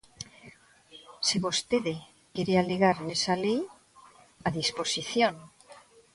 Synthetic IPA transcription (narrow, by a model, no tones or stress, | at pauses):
siβost̪eðe | keɾealiɣaɾnesalej | aðisposiθjon